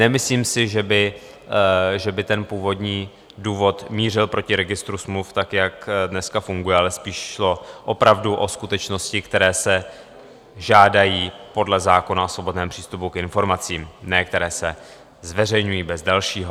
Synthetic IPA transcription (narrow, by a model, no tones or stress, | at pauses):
nɛmɪsliːmsɪʒɛbɪ | ʒɛbɪt̪ɛnpuːvo̞dɲiː | duːvo̞t̪miːr̝ɪlpɾo̞cɪɾɛɡɪst̪ɾusmluft̪akjakdnɛskafuŋɡujɛalɛspiːʃʃlo̞ʔopɾavduʔo̞skut̪ɛt͡ʃno̞scɪkt̪ɛɾɛːsɛ | ʒaːdajiːpo̞dlɛzaːko̞naosvo̞bo̞dnɛːmpr̥iːst̪upukɪnfo̞ɾmat͡siːmnɛk̚t̪ɛɾɛːsɛ | zvɛr̝ɛjɲujiːbɛzdalʃiːɦo